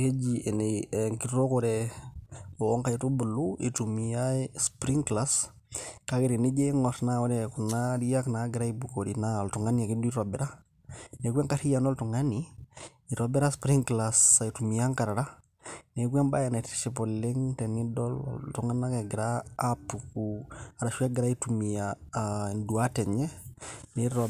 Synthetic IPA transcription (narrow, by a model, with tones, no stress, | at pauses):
ke˦d͡ʒiʔe˨neŋki˨tɾo˦koɾɛ | o˨ɔ˦ŋka˨ji˨tu˦bu˨luḭ˨tumijaspɾi˦ŋkla˦s | ka˦ki˨ɾi˨ni˦d͡ʒe˦ŋɔsnaɔ˦ɾɛku˨nadi˦ja˦knaɡi˨ɾa˦i˦bu˨ko˨dina˦o˨ltu˨ŋa˦nia˨ki˦du˦ɾo˨bɛɾa˦ | ne˨kwe˦ŋka˦ɾi˦ja˨no˦ltu˨ŋa˦ni | i˨ɾobɛ˦ɾa˦spɾi˦ŋklasa˨i˨tu˨mi˨a˦ŋka˨ɾa˨ɾa˦ | ne˨kwɛ˦nba˦ja˨na˨ti̥ʃi˨pɔ˨le˦ŋtɛ˨ni˦dɔlɔ̰ltuŋa˦na˦kɛ˨ɡi˨ɾaːpːukua˨ɾa˨ʃu˦a˦ɡɪɾa˦i˦tumi˨jandu˨a˦tɛ˨ɲɛ˦nɛɾɔ